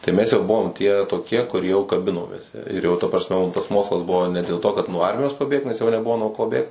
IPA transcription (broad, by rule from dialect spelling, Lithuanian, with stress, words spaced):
tɐɪ ˈmʲɛs jɛʊ ˈbʊʋoːm tʲiɛ toːˈkʲiɛ kʊr jɛʊ kɐˈbʲɪnoːmʲeːs ɪr jɛʊ tɐ prɐsʲˈmʲɛ ˈmʊm tɐs ˈmoːkslˠɐs ˈbʊʋoː nʲɛ dʲeːlˠ ˈtoː kɐt nuɔ ˈɐrʲmʲɪjoːs pɐˈbʲeːkt nʲɛs jɛʊ nʲɛˈbʊʋoː nuɔ ˈkoː ˈbʲeːkt